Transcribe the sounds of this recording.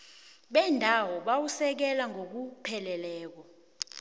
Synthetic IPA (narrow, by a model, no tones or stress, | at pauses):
ɓɛndʱawɔɓawusɛk̬ɛlaŋʱok̬upʰɛlɛlɛːk̬ɔ